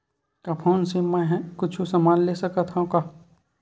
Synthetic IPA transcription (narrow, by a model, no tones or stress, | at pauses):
kapʰoːnsemɛ̃ɦkʊt͡ʃʰusɐmaːnleːsɐkat̪ʰɦãkaː